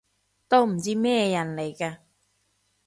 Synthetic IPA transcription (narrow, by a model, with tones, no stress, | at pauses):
t̪o˥wm̩˨˩t͡siː˥mɛː˥˧jɐ˨˩nle˨˩jkaː˧